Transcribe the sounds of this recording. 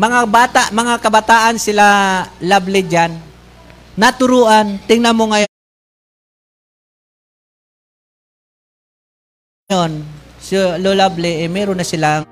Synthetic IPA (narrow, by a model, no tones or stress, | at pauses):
mɐŋabaːt̪aʔmɐŋakɐbɐt̪aːʔansɪlalablɪd͡ʒanː | at̪ʊɾuːʔant̪ɪŋnamoŋɐj | onsololablɪʔɛmɛɾonɐsɪla